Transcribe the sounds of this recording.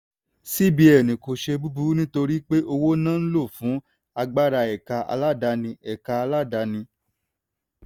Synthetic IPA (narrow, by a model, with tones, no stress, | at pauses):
si˦bi˧˦ɛ˦˨nĩ˨ko˨ʃe˧bu˦bu˨˦nĩ˦to˧ɾi˦k͡pe˦ʔo˧wo˦nãː˦n̩˦lo˦˨fũ˨˦ | a˧ɡ͡ba˦ɾa˧ɛ˨ka˧ʔa̰˧la˦˨da˧nĩ˧ɛ˨ka˧a˧la˦˨da˧nĩ˧